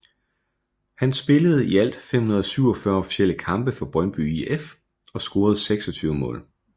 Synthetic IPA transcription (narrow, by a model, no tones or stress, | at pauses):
hænsb̥e̝ləð̞̩ˠiæl̰d̥femhunɐð̞ˠɒsyʊ̰ɒ̽fɶɐɒ̽fi̥sel̰əkʰɑ̈mb̥əfɒ̽b̥ʁɶnb̥y̰ief | ɒ̽sɡ̥o̝ːɐð̞̩ˠseɡ̥sɒ̽t͡sʰyːʊəmɔ̰̽ːl